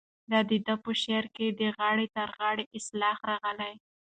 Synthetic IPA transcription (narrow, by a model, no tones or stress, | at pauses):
d̪ɑd̪əd̪apəʃeɾked̪əɣɑɽet̪aɾɣɑɽeʔɪslɑxɾɑɣəlaj